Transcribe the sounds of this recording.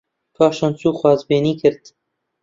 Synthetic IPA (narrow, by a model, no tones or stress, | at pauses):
kʰɑːʃɑnt͡suːxwɑːzbeːniːkʰɨɾd̪̥